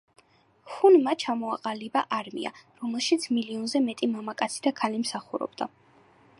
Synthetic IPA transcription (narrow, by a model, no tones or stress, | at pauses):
χunmat͡ʃʰamɔaqʼalibaʔaɾmḭa̰ɾɔmɛlˠʃit̪sʰmiliɔnzɛmɛt̪ʼimamakʼat̪sʰid̪akʰalimsaχuɾɔ̰b̥d̪a